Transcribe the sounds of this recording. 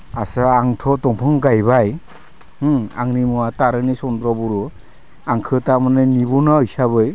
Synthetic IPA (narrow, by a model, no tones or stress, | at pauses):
asaaŋtʰɔtɔŋpʰɯŋɡajbaj | a̰ŋnimuwataɾɯnisɔndɾɔbuɾu | aŋkʰɯtamanɯnibunaɯjsaβɯj